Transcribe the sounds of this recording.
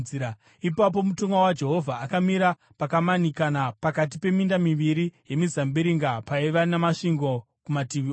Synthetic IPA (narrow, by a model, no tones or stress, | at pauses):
ia | ipap̬o̞mutoŋɡawad͡ʒe̞ɦo̞vʱaːkamiɾa | pakamanikanapakat̬ipe̞mindamiʋiɾije̞mizambiɾiŋɡapaiʋanemaʂiŋɡo̞ | kumatiʋio